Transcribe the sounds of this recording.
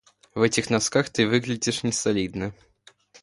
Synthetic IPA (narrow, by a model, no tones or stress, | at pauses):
vɛt͡sʲɪxnaskaxt̪ɨvɨɣlʲɪd͡zʲiʂnʲɪsɐlʲid̪nɨ